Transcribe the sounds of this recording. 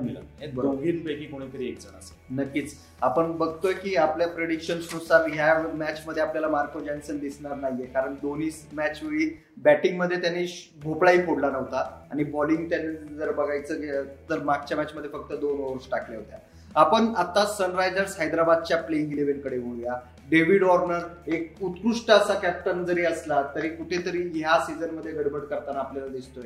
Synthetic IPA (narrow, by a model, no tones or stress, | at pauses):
mila̰ebəoɡʱiːnbəjkikoɽ̃iːk̪əɾiːek̚d͡zənasənəkːiːt͡s | apəɳbəɡʱt̪ojekiːapljapɾeɽikɕənsnusaɾɦjamæt͡ɕməd̪ʱːeapljalamaɾkod͡ʑɛnsənd̪isɳaɾnaɦjjekaɾəɳd̪oniːsmæt͡ɕʋeʋiː | bæʈiŋɡməd̪ʱːjet̪janːiː | bʱoplaɦiːpoɽlanəʋt̪aaɽ̃ibɔliŋɡ̚t̪janːed͡zəɾbəɡʱajt͡səːɡet̪əɾmaɡ̚t͡ɕjamæt͡ɕməd̪ʱjefək̚t̪əd̪onʋəɾsʈakʰljaɦot̪ja | apəɳat̪ːasənɾajd͡zəɾsɦajd̪ɾabad̪̚t͡ɕjapleiŋɡileʋenkəɽeʋoɭja | ɖeʋiɽɔɾnəɾek̚ut̪kɾuʂʈəəsakæp̚ʈ̪ənd͡zəɾiːəslat̪əɾiːkuʈʰet̪əɾiːɦjasid͡zənməd̪ʱːjeʋeɽbəɽkəɾt̪anːpljalad̪ist̪oje